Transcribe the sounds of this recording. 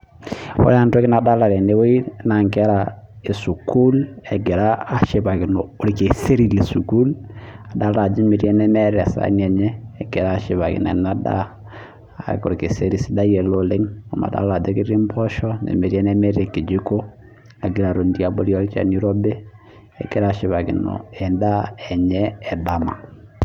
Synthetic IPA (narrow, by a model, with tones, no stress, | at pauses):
fo̰˦ɾɛ˦a˦˨ntɔ˦ki˦na˨da˦la˨ɾɛ˨ne˦we˦i˦na˨ŋkɛ˦ɾa˨ | e˨su˨ku˦lɛ˨ɡɛ˨ɾa˦a˨ʃi˦ba˨ki˨no˨o˨ɾi˨ke˨se˦ɾi˦le˨su˨ku˦la˨da˦la˨d͡ʒi˦mi˨ɾje˦nɛ˦mɛ˦ɾa˨sa̰˨˦nɛ˨ɲɛː˦˨ɡɛ˨ɾaː˦˨ʃi˨βa˨kḭ˨nḛ˨na˦da̰˦˨ | ko˨ɾke˨se˦ɾi˦si˦da˦jɛ˨lo˦le˦ŋo˨ma̰˨da̰˦ɾa˨d͡ʒe˦ke˦ɾi˦mbɔ˦ʃɔ˦nḛ˨me˨ɾjɛ˦nɛ˦mɛ˦ɾe˨ki˨d͡ʒi˦ko˦ | ɛ˨ɡɪ˨ɾa˨ɾo˨ndi˦a˨bo˦ɾi˦ɔ˦ɾi˦t͡ʃa̰˨ni˦ɾɔ˦be˦ | ɛ̰˨ke˦ɾaː˦˨ʃɪ˨βa˨kɪ̰˨no̰˨ɛ˨nda˦ɛ˨ɲɛ˦ɛ˨da˨ma̰˨